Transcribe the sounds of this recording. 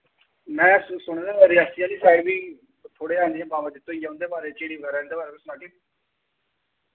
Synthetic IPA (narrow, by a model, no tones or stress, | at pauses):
mɛ̃ːssʊɽ̃d̪eːbaːɾiːasɪjãːliːsaːibiː | t̪ʰoːɽeːaːnd̪iɛ̃baːʋəd͡ʒ̪ɪt̪ːõːijãːʊ̃nd̪eːbaːɾeːt͡ʃeːɽiːbəɡɛːɾɛːnd̪eːbaːɾeːbiːsʊnaːki